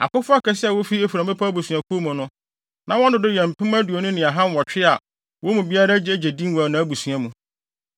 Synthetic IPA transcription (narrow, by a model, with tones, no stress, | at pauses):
a̰˨kʊ˦fʊ˦a˦kʰɛ˦sɪ˦ɛ˨wo˦fi˦e˦fi˨ɾa˨˦ɪ˦pʰa˦bu˨sũ˨a˨kʰu˦o˦mũ˨nʊ̃˦ | nã˨˦wɔ̃˦ndʊ̃˦dɪ˦jɛ̃˨m̩˨pʰɪ̃˦m˦æ˦du˨o˨nʊ̃˦nɪ̃˨a˨ɦã˦n˦wɔ˨t͡ɕᶣɪ˦a˨ | wo˦mũ˨bi˦a˦ɾa˦d͡ʑɪ˦d͡ʑe˨dĩ˦n˦wa˨nã˨˦æ˦bu˨sũ˨a˨mũ˨